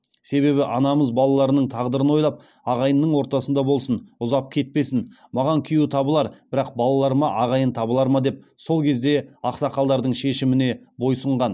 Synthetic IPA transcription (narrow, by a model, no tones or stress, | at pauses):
se̞βe̞βɪʔɑnɑməzbɑlˠɑlˠɑɾənəɴt̪ʰɑʁd̪əɾənwo̞jlˠɑp̚ | ɑʁɑjənːəɴwo̞ɾt̪ɑsənd̪ɑbo̞lˠsənʊzɑp̚kʲʰe̞t̪̚pe̞sɪn | mɑʁɑŋkʲʰʏjut̪ʰɑbəlˠɑɾb̥ɪɾɑq̚bɑlˠɑlˠɑɾmɑʔɑʁɑjənt̪ʰɑbəlˠɑɾmɑd̪e̞p̚ | so̞lˠkʲʰe̞zd̪e̞ɑqsɑqɑlˠd̪ɑɾd̪əɴʃe̞ʃɪmɪne̞ | bo̞jsəɴʁɑn